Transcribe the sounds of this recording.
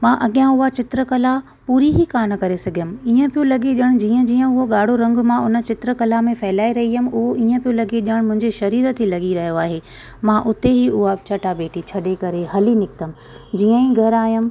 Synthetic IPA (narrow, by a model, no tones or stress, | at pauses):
mãːʔɐɠijãʊɦat͡ɕɪt̪ɾəkɐla | puːɾiɦikaːnkɐɾesɐɡʱijəmɪ̆iːə̃pijũlɐɠiɗəɽ̃d͡ʑiːə̃d͡ʑiːə̃ʊɦoɠaːɽ̤oɾɐ̃ŋɡmãʊnə̆t͡ɕɪt̪ɾəkɐlamẽfɐɦɪlaːiɾɐɦiəm̆ʊɦoiːə̃pijũlɐɡeɗəɽ̃mʊ̃ɦɪ̃ɲd͡ʑeʃɐɾiːɾət̪ilɐɠiɾɐɦijoaːɦeː | mãːʔʊt̪eɦiʊɦat͡ɕʰɐʈabeːʈit͡ɕʰɐɗekɐɾeɦɐlinɪk̚t̪əmɪ̆ | d͡ʑiːə̃ĩɡʱɐɾaːijəm̆